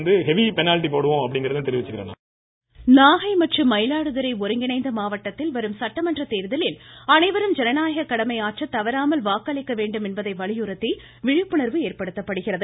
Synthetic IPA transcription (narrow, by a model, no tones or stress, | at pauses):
nd̪ɯɦɛʋipɛnaːlɪʈːipoːɽɯʋõɐpːɐɽɪŋɡɪɾɐðɯnt̪ɛɾɪʋɪt͡ʃːɯkːɪɾɐ̰ːna̰ː | naːɣɐɪmɐʈrɯmːɐɪlaːɽɯðɐɾɐɪɔɾɯŋɡɪnɐɪnd̪ɐmaːʋɐʈːɐt̪ːɪlʋɐɾɯmsɐʈːɐmɐndrɐt̪eːɾðɐlɪlɐnɐɪʋɐɾɯmd͡ʒɛnɐnaːjɐɣɐkːɐɽɐmɐɪaːʈt͡ʃːɐt̪ːɐʋɐɾaːmɐlʋaːkːɐɭɪkːɐʋeːɳɖɯmɛnbɐðɐɪʋɐɭɪjɯɾɐt̪ːi | ʋɪɻɪpːɯɳɐɾʋɯeːɾpɐɽɯt̪ːɐpːɐɽɯɣɪrɐðɯ